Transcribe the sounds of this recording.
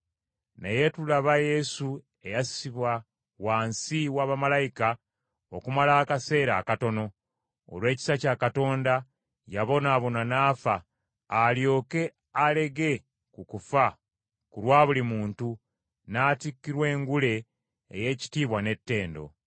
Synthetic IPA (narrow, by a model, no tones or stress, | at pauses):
nḛje̞tulaβaje̞su | e̞jasiβwa | waːnsiwaβamalajika | okumalaːkase̞ːɾaːkato̞no̞̰ː | lwe̞ːci̥sacaːkato̞ːnda | jaβo̞naːβo̞nanaːfaː | ljo̞ːke̞ | ale̞ɡe̞ | kukufa | kulwaːβulimuːntu | naːtikːiɾwe̞ːŋɡule̞̰ː | je̞ːci̥tiːβwane̞tːe̞ːndo̞̰